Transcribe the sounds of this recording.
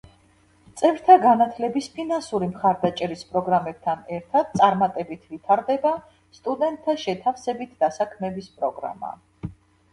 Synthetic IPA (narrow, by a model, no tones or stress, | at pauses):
t̪sʼɛvɾt̪ʰaɡanat̪ʰlɛbispʰinansuɾimχaɾd̪at͡ʃʼɛɾispʼɾɔɡɾamɛb̥̚t̪ʰanɛɾt̪ʰad̪̥̚t̪sʼaɾmat̪ʼɛbit̪ʰvit̪ʰaɾd̪ɛba | st̪ʼud̪ɛnt̪ʰːaʃɛt̪ʰafsɛbit̪ʰd̪asakʰmɛbispʼɾɔɡɾa̰ma̰